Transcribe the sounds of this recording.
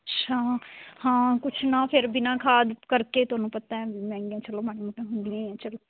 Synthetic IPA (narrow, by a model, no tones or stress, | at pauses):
tːʃʰaːhãːkʊt͡ʃʰnãːpʰɪɾbɪnãːkʰaːd̪kəɾkeːt̪ʊɦaːnũːpət̪aːɛmɛ̃ːŋɡjãːt͡ʃəloːmaːɽ̃iːmoʈẽːɦʊ̃nd̪iãɛ̃ːt͡ʃəloː